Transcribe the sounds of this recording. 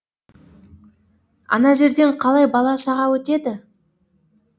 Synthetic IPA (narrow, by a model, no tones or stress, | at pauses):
ɑ̰nɑʒe̞ɾd̪e̞ɴqʰɑlˠɑjbɑlˠɑʃɑʁɑwɵt̪e̞d̪ɪ